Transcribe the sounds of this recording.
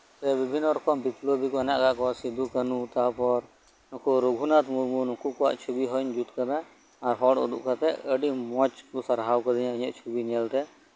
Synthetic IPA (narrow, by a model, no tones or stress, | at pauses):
t̪ɛbibʱinːɔɾɔkɔmbiplobikɔɛnaʔɡaʔkɔasid̪ukənut̪apɔɾ | nɔkuɾuɡʱunat̪muɾmunɔkukɔwa̰ʔt͡ʃʰubiɦɔnd͡ʒut̪kad̪aː | ɾɦɔɖɔ̰d̪ṵʔkat̪ɛʔəɖimɔt͡ʃkusaɾɦawkəd̪aɲãəɲɛʔt͡ʃʰubinijalt̪ɛ